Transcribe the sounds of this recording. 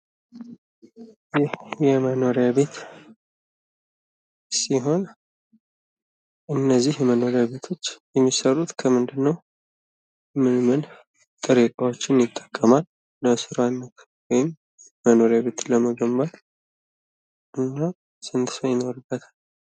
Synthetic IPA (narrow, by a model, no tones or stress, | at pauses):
jɪhjɛməno̞ɾjaβe̞t̪ | siɦo̞n | ʔɨnːəzːihjɛməno̞ɾjaβe̞t̪ʰo̞t͡ʃːjɛmːisərːut̪kʰəmɨnd̪ɨnːəw | mɨnmɨn | t̪ʼɨɾikʼawo̞t͡ʃːɪnjɪt̪ʼːə̥kʼːəmalː | əsɨɾawinːəkʰ | wɔjɪmː | əno̞ɾjaβe̞t̪ləməɡəmbat̪ | ʔɨnːa | sɨnt̪ɨsəjɪno̞ɾɨbːət̪ʰḁl